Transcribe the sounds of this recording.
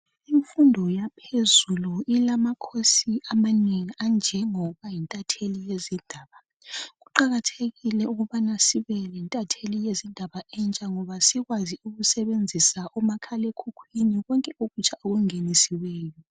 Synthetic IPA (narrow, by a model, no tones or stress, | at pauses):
iɱfundʱɔjapʰezuluilamakʰosiʔamaneŋiand͡ʒʱɛŋɔβajintʼatʰelijezindʱaːβa | ɣuǃaɣatʰeɣilɛuɣuβanasiβɛlintʼatʰelijezindʱaβaɛnt͡ʃʼaŋɔβasiɣwaziuɣusɛβend͡zʱisaʔɔmakʰalekʰukʰwiniɣɔŋkʼɛoɣut͡ʃʰʼaoɣuŋenisiwɛːjɔ